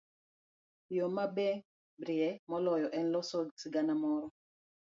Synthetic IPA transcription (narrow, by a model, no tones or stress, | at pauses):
jɔmabeŋ | bɾiɛmɔlɔjɔʔɛnlɔsɔɡsiɡanamɔɾɔ